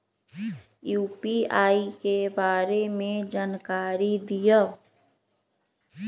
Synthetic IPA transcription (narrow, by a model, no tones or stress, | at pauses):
juːpiaːikebaːɾemẽd͡ʒaːnkaːɾid̪ijə